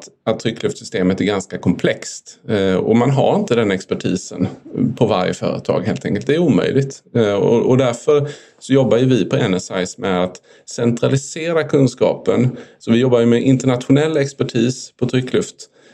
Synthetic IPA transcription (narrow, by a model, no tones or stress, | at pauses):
t̪at̪t̪ʰːɾʏkːlɵft̪sʏst̪eːmət̪æɾɡanskakʰɔmpʰlɛkst̪ɔ̰manɦa̰ɾɪnt̪əd̪ɛnɛkspæʈʰḭːsə̰npʰɔva̰ɾjə̰fœ̰ːɾə̰t̪ʰɑ̰ːɡɦeːlt̪ʰɛ̰ŋkəlt̪d̪ɛːɾuːmœ̰jlɪɡt̪ɔ̰ʔɔd̪æɾfœɾ | sɔjɔbːajɵvɪpʰɔɛnɛsa̰jsmɛat̪ | sɛnt̪ɾalɪseːɾakʰɵnskɑ̰ːpənsɔvɪjɔbːajɵmɛʔɪnt̪əɳat̪ɧʊnɛlːɛkspæʈʰiːspʰɔt̪ʰɾʏkːʰlɵft̪